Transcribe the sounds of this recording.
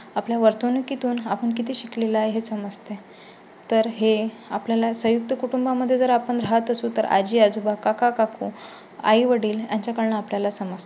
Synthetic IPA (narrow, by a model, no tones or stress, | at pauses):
apljaʋəɾt̪unukit̪uːnapəɳkit̪ʰiːɕiklelajɦesəməd͡zt̪e | t̪əɾɦe | apljalasəjuk̚t̪əkuʈumbaməd̪ʱːjed͡zəɾapəɳɾaɦət̪əsuːt̪əɾa̰d͡ʑiːad͡zubakakakakʰuː | a̰iʋəɽiːljaɲt͡ɕjakəɾɳaapljalasəməd͡zt̪e̥